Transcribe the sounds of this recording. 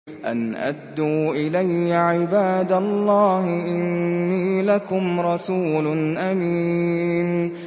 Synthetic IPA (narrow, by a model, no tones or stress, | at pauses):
ʔa̰nʔa̰d̪ːuːʔɪlajːaʕɪbaːd̪alˤːɑːhɪʔɪnːiːlakʊmɾˤɑsuːlʊnʔamiːn